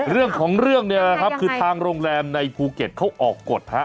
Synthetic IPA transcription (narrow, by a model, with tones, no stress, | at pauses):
ɾɯ˥˩əŋkʰɔː˩˦ŋɾɯ˥˩əŋni˥˩əla˦˥˩kʰa˦˥p̚kʰɯː˧t̪ʰaː˧ŋɾoː˧ŋɾɛː˧mna˧jpʰuː˧ke˨˩t̪̚kʰa˦˥˩wʔɔː˨˩kːo˨˩t̪̚ha˦˥ʔ